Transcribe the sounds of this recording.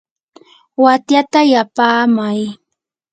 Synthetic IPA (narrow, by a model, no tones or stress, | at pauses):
wat̪jat̪ajapaːmaj